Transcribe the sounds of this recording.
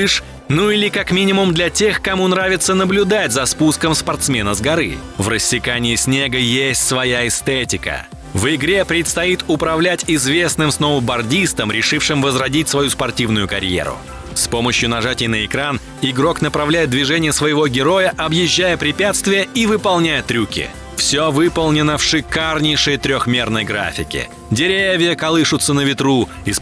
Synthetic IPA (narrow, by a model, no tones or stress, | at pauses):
ʂ | nuilʲɪkakmʲinʲɪmʊmd̪lʲɐtʲe̞xkɐmunɾavʲɪt̪sənəblʲʊd̪atʲzɐspuskəmspɐrt̪smʲe̞nəzɡɐɾɨ̰ | vrəsʲːɪkanʲɪɪsʲnʲeɡəjesʲtʲsvɐjaɪst̪etʲɪkə̰ | vɪɡɾʲe̞pɾʲɪt̪st̪ɐit̪ʊpɾɐvlʲætʲɪzvʲe̞snɨmsnovəbɐrdʲist̪əmɾʲɪʂɨfʂɨmvəzrɐdʲitʲsvɐjuspɐrtʲivnʊjʊkɐɾʲjḛɾʊ̰ | spo̞məɕjʊnɐʐatʲɪjnəɪkɾan | ɪɡɾo̞knəpɾɐvlʲæjɪt̪̚d̪vʲɪʐɛnʲɪjəsvəjɪvo̞ɡʲɪɾo̞jəʔɐbjɪʑːæjəpɾʲɪpʲat̪st̪vʲɪjəʔivɨpɐlˠnʲæjət̪ɾʲukʲɪ̰ | fsʲovɨpəlˠnʲɪnəfʂɨkarnʲɪjʂɨjt̪ɾʲoxmʲe̞rnəjɡɾa̰fʲɪkʲɪ̰ | dʲɪɾʲevʲɪjəkɐlˠɨʂʊt̪sənəvʲɪt̪ɾu | ɪs